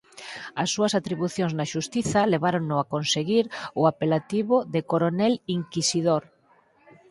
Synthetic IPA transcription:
ɐsːuɐsat̪ɾiβuθjõŋznaʃust̪iθɐleβaɾoŋnʊakonseɣiɾʊapelat̪iβʊðekoɾonɛliŋkisið̞oɾ

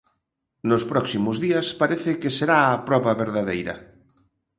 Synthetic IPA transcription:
nʊspɾɔksimʊzðiɐspaɾeθɪkeseɾaɐpɾɔβɐβeɾðaðejɾɐ̰

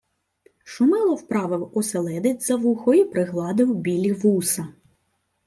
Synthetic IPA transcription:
ʃʊmɛlˠɔwpɾɑʋɪwɔselˠɛd̪ɪtʲzɐʋuxɔjipɾɪɦlˠɑd̪ɪwbʲilʲiʋusɐ

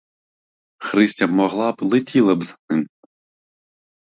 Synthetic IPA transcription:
xɾɪsʲtʲɐmɔɣlˠablˠɪtʲilˠɐbzɐt̪ɨm

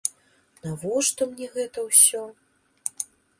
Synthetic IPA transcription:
navɔʂt̪ɔmnʲɛɣɛt̪ɐwsʲɔ

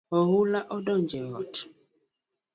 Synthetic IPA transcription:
ɔɣulaʔɔdɔ̃nd͡ʒɛɣɔt

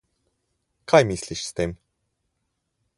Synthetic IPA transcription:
kʰajmɯislʲiʃi̥st̪em

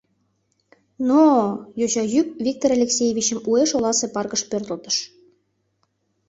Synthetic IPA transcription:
nojoɕɑjyk̚vʲik̚t̪oɾɑlʲeksʲejevʲit͡ɕəmueʃolɑsepɑrkəʃpørt̪ə̆lt̪ə̥ʃ

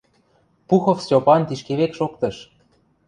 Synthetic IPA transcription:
puxofsʲtʲopɑnt̪iʃkeβekʃokt̪ɤ̆ʃ

